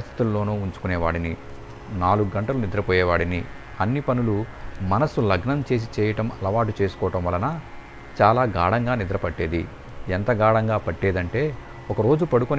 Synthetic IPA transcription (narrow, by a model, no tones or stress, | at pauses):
st̪ʰi̥t̪ulːo̞ːnuːuɲt͡ʃu̥kuneɛːʋa̰ːɽini | naːluɡuɡɐɳʈɐlunid̪ɾɐpɔːjɛːʋaːɽini | ɐnːipɐnulumɐnɐsulɐɡnɐmt͡ʃe̞ːs̬it͡ʃɛːjɐʈɐmɐlɐʋaːʈut͡ʃe̞ːsu̥kɔːʈɐmʋɐlːɐnɐ | t͡ʃaːlaːɡaːɽɐŋɡaːnid̪ɾɐpɐʈːeːd̪i | ent̪ɐɡaːɽɐŋɡaːpɐʈːeːd̪ɐɳʈe̞ː | ɔkɐɾo̞ːd͡ʒupɐɽukun